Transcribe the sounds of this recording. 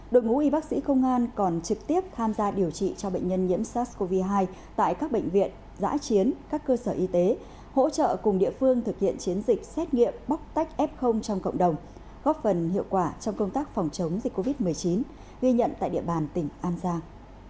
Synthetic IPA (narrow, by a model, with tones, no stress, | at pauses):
ɗo̰˧˨jŋṵ˧˥ʔi˧ɓaː˦˥k̚sḭ˧˥xə˧wŋ͡mʔaː˧nkɔ˨˩nt͡ɕɨ˨˩k̚t̪i˦˥əp̚t̪ʰaː˧mzaː˧ɗi˨˩əwt͡ɕḭ˧˨t͡ɕɔ˧ɓə̰˧˨jŋ̟ɲə˧nɲḭ˧˥əmsaː˦˥sko˧vi˧ɦaː˧j | t̪a̰ː˧˨jkaː˦˥k̚ɓə̰˧˨ŋ̟vḭ˧˨ən | za̰ː˧˥t͡ɕi˨˦ənkaː˦˥kːəː˧səː˧˩ʔi˧t̪e˨˦ | ho̰˧˥t͡ɕə̰ː˧˨kʊ˨˩ŋ͡mɗḭ˧˨əfɨ˧əŋt̪ʰɨ˨˩k̚hḭ˧˨ənt͡ɕi˨˦ənzï˨˩k̟̚sɛ˦˥t̚ŋḭ˧˨əmɓa˦˥wk͡p̚t̪a˦˥jk̟̚ʔɛ˦˥p̚xə˧wŋ͡mt͡ɕɔ˧wŋ͡mkə̰˧˨wŋ͡mɗə˨˩wŋ͡m | ɣɔ˦˥p̚fə˨˩nhḭ˧˨əwkwaː˧˩t͡ɕɔ˧wŋ͡mkə˧wŋ͡mt̪aː˦˥k̚fɔ˨˩wŋ͡mt͡ɕə˨˦wŋ͡mzi˨˩k̟kːo˧vi˦˥t̚m˨˩əjt͡ɕi˨˦n | ɣi˧ɲə̰˧˨nt̪a̰ː˧˨jɗḭ˧˩əɓaː˨˩nt̪ï˨˧˩ŋ̟ʔaː˧nzaː˧ŋ